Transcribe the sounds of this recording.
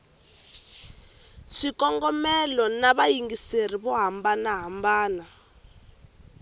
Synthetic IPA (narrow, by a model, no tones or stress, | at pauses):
ʂikɔŋɡɔmɛlɔnaβajiŋɡiseriβɔɦambanaɦambaːna